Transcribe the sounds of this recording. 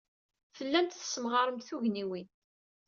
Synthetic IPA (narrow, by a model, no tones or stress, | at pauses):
fəlːænt̪θə̥sːəmʁɑɾˤəmt̪θuʝniwin